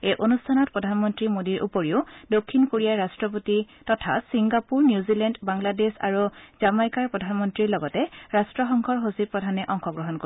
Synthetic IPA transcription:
ejʔonustʰanɔt̚pɹɔdʱanmɔntɹimodiɹʔṵpoɹiʊdokʰːinkoɹijaɹastɹɔp̬oti | tɔtʰasiŋɡapuɹnjuzilɛndbaŋladesa̰ɹuz̥amajkaɹpɹɔdʱanmɔntɹiɹlɔɡɔtɛɹastɹɔxɔŋkʰɔɹɦosipɹɔdʱanɛʔɔŋxɔɡɹɔɦɔnko

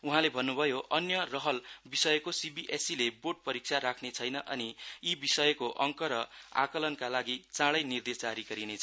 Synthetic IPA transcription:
uɦãlebʱʌnːubʱʌjoʔʌnjʌrʌɦʌlbisʌjʌkosibiʔesileboʈ̚pʌɾik̚sʰaɾakʰnet͡sʰʌjnʌʔʌniibisʌjʌkoʔʌŋkʌɾʌa̰kʌlʌnkalaɡit͡sãɽʌjnird̪esd͡zaɾiɡʌɾinet͡sʰʌ

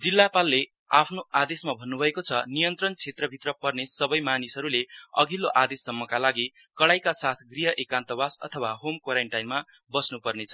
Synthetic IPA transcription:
d͡zilːapalːe | apʰnoad̪esmabʱʌnːubʱʌekot͡sʰʌnijʌnt̪rʌnt͡sʰet̪rʌbʱit̪rʌpʌrnesʌbʌjmanisʌɾuleʌ̰ɡʱilːoʔad̪esːʌmːʌkalaɡi | kʌɽajkasat̪ʰɡriɦʌʔekant̪ʌbasʌ̰t̪ʰʌwaɦomkwaɾeɳʈajnma | bʌsnupʌrnet͡sʰʌ

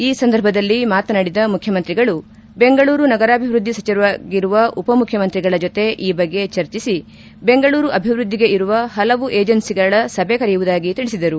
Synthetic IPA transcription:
iːsɐnd̪ɐɾbʱɐd̪ɐlːimaːt̪ɐnɐɽid̪ɐmukʰjɐmɐnt̪ɾiɡɐɭu | be̞ŋɡɐɭuːɾunɐɡɐɾaːbʱiʋɾud̪ʱːisɐt͡ʃɐɾʋaɡiɾuʋɐʔupɐmukʰjɐmɐnt̪ɾiɡɐɭɐd͡ʒot̪e̞ʔiːbɐɡːe̞t͡ʃɐɾt͡ʃisi | be̞ŋɡɐɭuːɾuʔɐbʱiʋɾud̪ʱːiɡe̞ʔiɾuʋɐɦɐlɐʋuʔeːd͡ʒɐnsiɡɐɭɐsɐbʱekɐɾɛjuʋud̪aːɡit̪iɭisid̪ɐɾu

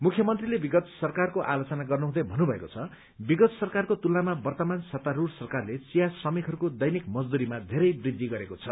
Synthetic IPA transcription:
mukʰjʌmʌnt̪rilebiɡʌt̪sʌrkarkoʔalot͡sʌnaɡʌrnuɦũd̪ʌjbʱʌnːubʱʌḛkot͡sʰʌ | biɡʌt̪sʌrkarkot̪ulnamabʌrt̪ʌmansat̪aɾursʌrkarlet͡sijasʌmikʰɦʌɾukod̪ʌjnikmʌd͡zd̪uɾimad̪ʱeɾʌjbrid̪ʱːiɡʌɾekot͡sʰʌ

